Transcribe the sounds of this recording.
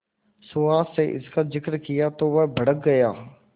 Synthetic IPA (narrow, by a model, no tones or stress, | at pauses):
sʊaːseʔɪ̰skazɪkɾkɪjat̪oʋəbʱəɽək̚ɡɐjaː